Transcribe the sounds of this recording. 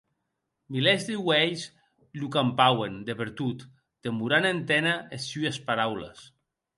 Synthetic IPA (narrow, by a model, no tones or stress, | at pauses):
milezd̪ewɛjs | lukampawend̪epeɾt̪ut̪ː | emuɾanent̪ɛnaesyespaɾawlḛs